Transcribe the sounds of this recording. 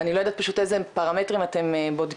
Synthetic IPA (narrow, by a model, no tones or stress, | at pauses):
anilood̪at̚paʃutezepaʁametʁimate̞mbod